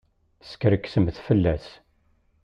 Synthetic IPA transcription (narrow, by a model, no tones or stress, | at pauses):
θə̥skɾəkːsəmθfəlːæs